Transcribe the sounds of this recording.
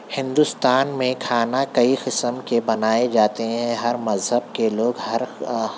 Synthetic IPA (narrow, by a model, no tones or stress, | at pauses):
hɪ̃nd̪ʊst̪aːnmẽkʰaːnakɐiqɪsəmkebɐnaːed͡ʒaːt̪eɦɛ̃ɦɐɾmɐzɦəb̚keloːɡɦɐɾ